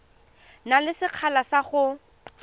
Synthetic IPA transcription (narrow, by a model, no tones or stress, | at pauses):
nalɪsɪq͡χʰalasaχʊ